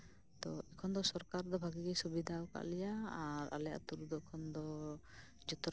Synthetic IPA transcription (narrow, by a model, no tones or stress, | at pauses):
t̪ɔɛkʰɔnd̪ɔsɔɾkaɾd̪ɔbʱaɡiɡɛsubid̪ʱawka̰ʔlɛjaaɾa̰lɛjaʔt̪uɾud̪ɔkʰɔnd̪ɔ | d͡ʒɔt̪ɔɾ